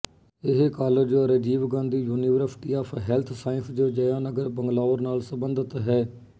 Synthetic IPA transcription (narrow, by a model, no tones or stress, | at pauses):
ɪɦekaːləd͡ʒoːɾəd͡ʒiːʋɡãːnd̪iːjuːniːʋəɾsʈiːaːpʰɦɛːlt̪ʰsaːɪ̃nsd͡ʒoːd͡ʒəjãːnəɡəɾbəŋɡlaːʋəɾnaːlsəbənd̪ət̪ɦɛː